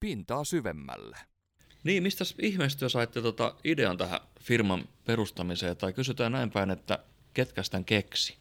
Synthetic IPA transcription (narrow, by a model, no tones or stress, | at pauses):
pint̪ɑːsyʋḛmːæ̰lːe | niːmmist̪æsihmest̪yøsɑit̪ːet̪ot̪ɑ̰ideɑ̰nt̪æhæ̰firmɑmpeɾust̪ɑmiseːɑt̪ɑikysyt̪æːnnæimpæinet̪ːæ̰ | ket̪kæst̪æŋkeksi̥